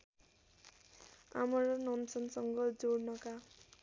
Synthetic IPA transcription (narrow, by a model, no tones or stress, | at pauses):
a̰mʌɾʌnʌnsʌnsʌŋɡʌd͡zoɽnʌka